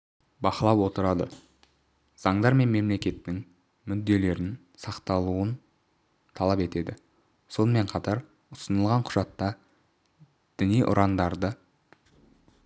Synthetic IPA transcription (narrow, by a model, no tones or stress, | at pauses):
bɑqəlˠɑwwo̞t̪əɾɑd̪ə | z̥ɑɴd̪ɑɾme̞nme̞mle̞kʲe̞t̪ːɪŋ | mʏd̪ːe̞le̞ɾɪn | sɑqt̪ɑlˠuən | t̪ʰɑlˠɑpe̞t̪e̞d̪ɪ | so̞nəme̞ɴqʰɑt̪ɑɾ | ʊsənəlˠʁɑɴqʰʊ̥ʒ̥ɑt̪ːɑ | d̪̥ɪnijʔʊ̰ɾʔɑnd̪ɑɾd̪ə